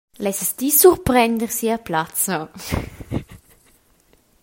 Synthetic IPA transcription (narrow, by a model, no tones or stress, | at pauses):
lɛsəst̪isuɾpɾɛnd̪əɾsiaplat͡sa